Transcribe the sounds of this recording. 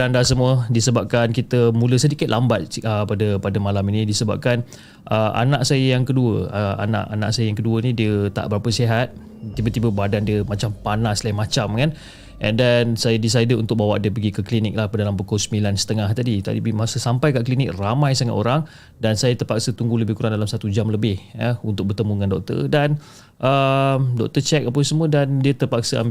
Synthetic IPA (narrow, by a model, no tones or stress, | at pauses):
dandasəmuədisəbap̚kankit̪əmũləsədikɪt̪̚lʔambat̪̚əpadəpadəmalaminĩdisəba̰p̚kan | ʔəʔa̰naʔsajəjaŋkəduəəa̰na̰ʔana̰ʔsajəjaŋkəduənĩdiət̪a̰ʔbəɾapəsiɦat̪̚ | t̪ibət̪ibəbadandiəmat͡ʃampanaslaimat͡ʃamkan | ʔɛ̰ndɛnsajadis̬ajdəunt̪ʊk̚bawa̰ʔdiəpəɡikəklinɪk̚lahpədalampəkosəmilansə̥t̪əŋaht̪adit̪a̰dḭbimasəsampajkaʔklinɪk̚ramãjsaŋa̰t̪oɾaŋ | dansajat̪ərpaksət̪uŋɡuləbɪhkuɾaŋdalamsat̪ud͡ʒamləbɪhəunt̪ʊk̚bərt̪əmuŋandɔk̚t̪ə̰rdan | ʔəmdɔ̰k̚t̪ət͡ʃɛk̚apəsəmə̃dandiət̪ərpak̚səa̰m